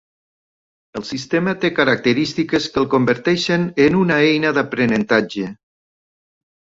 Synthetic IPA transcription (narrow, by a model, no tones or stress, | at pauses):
əlˠsist̪emət̪ekəɾak̚t̪əɾist̪ikəskəlˠkombəɾt̪ɛʃənənunaejnəðapɾənənt̪ad͡ʒə